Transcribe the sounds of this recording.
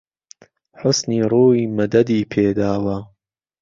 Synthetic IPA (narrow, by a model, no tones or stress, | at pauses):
ħʊsniːɾˤuːiːmɐd̪ɐd̪iːpʰeːd̪aːwɐ